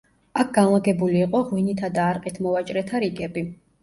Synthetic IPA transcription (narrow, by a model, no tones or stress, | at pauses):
ak̚ʰɡanlˠaɡɛbuliːqʼɔʁwinit̪ʰad̪aːɾqʼit̪ʰmɔvat͡ʃʼɾɛt̪ʰaɾiɡɛbi